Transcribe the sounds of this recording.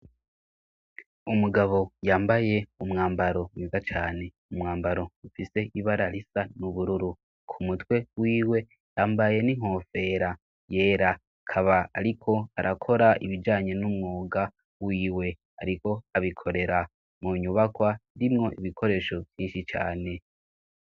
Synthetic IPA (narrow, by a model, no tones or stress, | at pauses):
umuɡaβo̞jaːmbaje̞umŋaːmbaɾo̞wivat͡ʃa̰ːne̞ | umŋaːmbaɾo̞ufise̞ʔiβaɾaɾisanuβuɾuɾu | kʰumutwe̞wiːwe̞ | jaːmbaje̞niŋ̥o̞fe̞ɾa | je̞ːɾa | kʰaβaa̰ɾikʰo̞aɾʔakʰo̞ɾaiβid͡ʒaːɲe̞numŋoːɡa | wiːwe̞ | a̰ɾiko̞aβikʰo̞ɾe̞ɾa | muɲuβakwandimŋo̞ʔiβikʰo̞ɾe̞ːʃo̞vjiːnʃit͡ʃa̰ːne̞